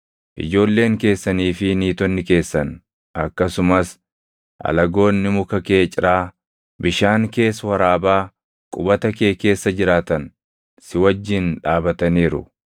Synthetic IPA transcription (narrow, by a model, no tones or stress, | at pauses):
ʔɪ̰d͡ʒo̞ːlːe̞ːŋke̞ːsːɐniːfɪniːt̪ɔnːɪke̞ːsːɐn | ʔɐkːɐsʊmɐs | ʔɐ̰lɐɡo̞ːnːɪmʊkɐke̞ːt͡ʃʼɪɾʔaː | bɪʃaːŋke̞ːswɐɾaːbaː | kʼʊbɐt̪ɐke̞ːke̞ːsːɐd͡ʒɪɾaːt̪ɐn | sɪwɐd͡ʒːɪnᶑaːbɐt̪ɐniːɾʊ̰